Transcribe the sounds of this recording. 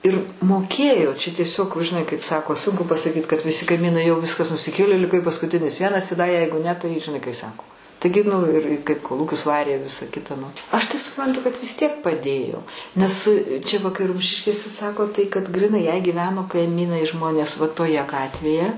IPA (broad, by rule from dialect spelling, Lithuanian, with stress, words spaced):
ˈɪr moːˈkʲeːjoː t͡ʃʲɛ tʲiɛˈsʲoːk ʒʲɪˈnɐɪ kɐɪp ˈsɑːkoː ˈsʊŋkʊ pɐsɐˈkʲiːt kɐt ʋʲɪˈsʲɪ kɐɪˈmʲiːnɐɪ jɛʊ ˈʋʲɪskɐs nʊsʲɪˈkʲeːlʲeː lʲɪˈkɐɪ pɐskʊˈtʲɪnʲɪs ˈʋʲiɛnɐs ɪ dɐ ˈjɛɪɡʊ nʲɛ tɐɪ ʒʲɪˈnɐɪ kɐɪ ˈsɑːkoː ˈtɐɪɡʲɪ nʊ ɪr kɐɪp koːˈlˠuːkʲʊs ˈʋɑːrʲeː ˈʋʲɪsɐ ˈkʲɪtɐ nʊ ɐʃ tɐɪ sʊˈprɐntʊ kɐt ʋʲɪs tʲiɛk pɐˈdʲeːjoː ˈnʲɛs t͡ʃʲɛ ʋɐ kɐɪ ˈrʊmʲʃʲɪʃʲkʲeːsʲɛ ˈsɑːkoː tɐɪ kɐt ɡrʲɪˈnɐɪ jɛɪ ɡʲiːˈʋʲæːnoː kɐɪˈmʲiːnɐɪ ˈʒmoːnʲeːs ʋɐ toːˈjɛ ˈɡɑːtʲʋʲeːjɛ